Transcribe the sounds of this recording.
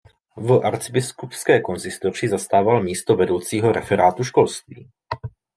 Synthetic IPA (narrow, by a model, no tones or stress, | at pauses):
vʔaɾt͡sɪbɪskupskɛːko̞nsɪst̪o̞r̝ɪzast̪aːvalmiːst̪o̞vɛdo̞wt͡siːɦo̞ɾʔɛfɛɾaːt̪uʃko̞lst̪vḭː